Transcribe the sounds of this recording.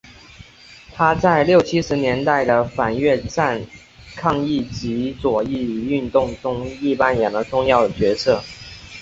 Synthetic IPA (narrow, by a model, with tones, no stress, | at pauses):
t̪ʰa˥t͡sa˥˧ɪljo˥˩ʊt͡ɕʰi˥ʂɻ̩˧˥njɛ˧˥nt̪a˥˩ɪd̪ə˩fa˨˩nɥɛ˥˧ʈ͡ʂa˥˩n | kʰɑ˥˧ŋi˥˩t͡ɕi˧˥t͡swɔ˨˩i˥˩˨y˥˧nt̪ʊ˥˩ŋʈ͡ʂʊ˥ŋi˥˩pa˥njɛ˨˩ŋd̪ə˦ʈ͡ʂʊ˥˧ŋjɑ˥˩ʊd̪ə˩t͡ɕɥɛ˧˥sʰɤ˥˩